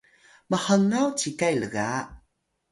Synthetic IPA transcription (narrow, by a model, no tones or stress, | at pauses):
məħəŋawt͡ɕikajləɣa